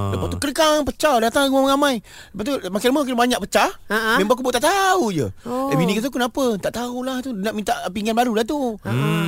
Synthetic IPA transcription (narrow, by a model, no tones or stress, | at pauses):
ləpast̪ukəɾəkaŋpət͡ʃawdat̪aŋɡamŋamãj | ləpat̪umakilməmak̬ɪlbaɲak̚pət͡ʃamẽmbaakuboʔt̪aʔt̪aud͡ʒə̰labinikət̪əkunapət̪aʔt̪aulaht̪unaʔmĩnt̪aʔpiŋɡanbaɾulat̪̬u